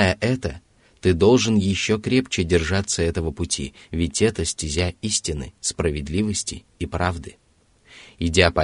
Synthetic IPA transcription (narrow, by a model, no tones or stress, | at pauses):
jəʔɛt̪ə | t̪ɨd̪o̞lˠʐɨnjɪɕːokɾʲept͡ɕɪdʲɪrʐat̪sːəɛt̪əvəpʊtʲʰḭ | vʲɪtʲɛt̪əsʲtʲɪzʲaisʲtʲɪnɨ̰spɾəvʲɪd̪lʲivəsʲtʲɪ̰ | ipɾavd̪ɨ | ɪdʲapɐ